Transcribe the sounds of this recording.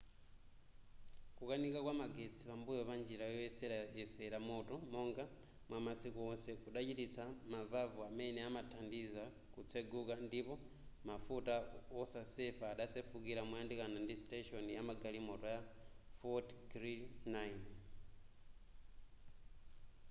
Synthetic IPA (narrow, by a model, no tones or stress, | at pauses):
kukanikakwamaɡet͡sʰiβambujɔβand͡ʒiɾajɔɛsɛɛsɛɾamɔtɔmɔŋɡa | mwamasikuɔsɛkuɗat͡ʃitit͡sʰamavavuamɛnɛamatʰandiza | kut͡sʰeɡukandipɔ | mafutaɔsasɛfaːɗasɛfukiɾamujandikanandisteʃɔnijamaɡalimɔtɔja | fɔtɡɾinajn